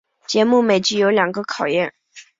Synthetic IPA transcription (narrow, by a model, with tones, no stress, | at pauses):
t͡ɕjɛ˧˥mu˥˩me˨˩ɪt͡ɕy˧˥jo˧˥ljɑ˨˩ŋɡə˦kʰɑ˨˩ʊjɛ˥˩n